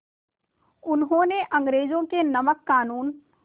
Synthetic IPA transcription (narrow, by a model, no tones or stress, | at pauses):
ʊnɦõːneʔɐ̃ŋɡɾeːd͡ʒõkenɐməkːaːnuːn